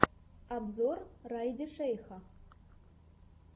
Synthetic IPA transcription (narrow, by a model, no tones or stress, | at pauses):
abzorrajdɐʂejxa